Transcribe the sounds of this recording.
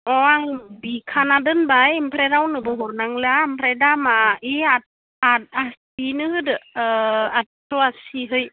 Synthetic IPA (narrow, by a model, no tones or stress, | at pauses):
ɔaŋbikʰanadɯnbajmpʰɾeɾawnɯbɔɦɔɾnaŋlɯampʰɾedamaiat̚ | at̚asinɯhɯdɯ | atɔasiɦɯj